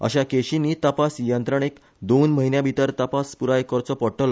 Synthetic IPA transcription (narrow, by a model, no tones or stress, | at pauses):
ə̰ɕakeɕiniːt̪əpasjənt̪ɾəɳ̃ek | d̪onməɦinjãbʱit̪əɾt̪əpaspuɾaekɔɾt͡sɔpɔʈəl